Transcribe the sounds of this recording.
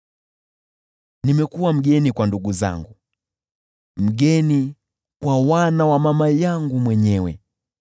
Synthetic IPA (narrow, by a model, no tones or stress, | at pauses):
nimɛkuwam̩ɡɛnikwanduɡuza̰ŋɡu | m̩ɡɛni | kwawanawamamajaŋɡumwɛɲɛwɛ̰